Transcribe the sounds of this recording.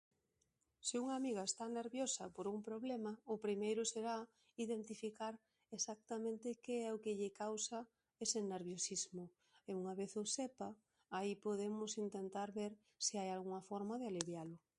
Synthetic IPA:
sɪuŋamiɣaest̪aneɾβjosɐ̰poɾumpɾoβlemɐʊpɾimejɾʊseɾa | iðent̪ifikaɾ | esak̚t̪amẽnt̪ɪkeɛʊkɪʎɪkawsa | esɪneɾβjosizmʊ | euŋaβeθosepɐ | aipoð̞emʊsint̪ent̪aɾβeɾ | sɪajalɣuŋɐfɔɾmað̞ɪaliβjalʊ

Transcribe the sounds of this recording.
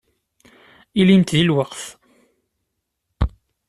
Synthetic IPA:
ilint̪ðilwəqθ

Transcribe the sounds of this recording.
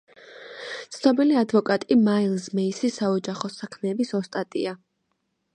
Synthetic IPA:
t̪sʰnɔbiliad̪vɔkʼat̪ʼimailˠsmɛisisaɔd͡ʒaχɔsakʰmɛːbisɔst̪ʼat̪ʼḭa

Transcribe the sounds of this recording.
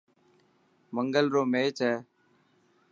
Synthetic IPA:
məŋɡəlɾoːmeːt͡ʃɛː

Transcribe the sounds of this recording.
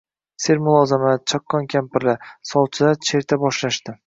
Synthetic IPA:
seɾmʊlˠɒzɪmat͡ʃʰɒkʰːɒnkʲʰampɪɾlasɒlˠt͡ʃʰɪd̪at͡ʃʰe̞ɾt̪ʰabɒʃlaʃt̪ɪ

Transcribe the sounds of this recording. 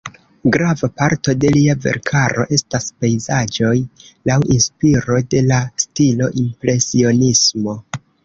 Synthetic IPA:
ɡɾavapaɾto̞de̞liave̞̰ɾkʰaɾo̞̰ʔe̞staspe̞jzad͡ʒo̞jlawinspiɾo̞de̞lastilo̞ʔimpɾe̞sio̞nismo̞

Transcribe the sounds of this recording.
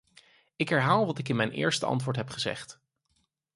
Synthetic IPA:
ɪkɦɛɹɦaːlˠʋɑtɪkɪnmɛjnʔɪ̰ːɹstəʔɑ̰ntʋʊːɹtɦɛpχəzɛ̰χt

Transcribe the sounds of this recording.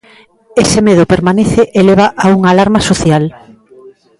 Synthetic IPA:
esemeðʊpeɾmaneθeʔeleβ̞aʔauŋaːlaɾmasoθjal

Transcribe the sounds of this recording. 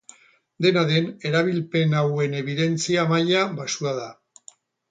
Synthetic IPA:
d̪e̞naðe̞ne̞ɾaβilpe̞nawe̞ne̞β̞iðe̞nt͡siamaʎaβasuaða

